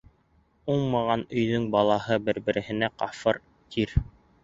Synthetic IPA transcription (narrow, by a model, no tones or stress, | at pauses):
uɴmɑʁɑnɵ̆jðɵŋbɑlˠɑɦɤbɘ̆ɾbɘ̆ɾɘ̆hɘ̆næqɑfɤɾ | t̪ʰiɾ